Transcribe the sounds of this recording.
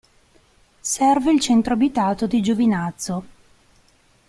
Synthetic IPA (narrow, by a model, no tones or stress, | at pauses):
sɛrveilt͡ʃɛnt̪ɾoabit̪aːt̪od̪id͡ʒovinat̪sːo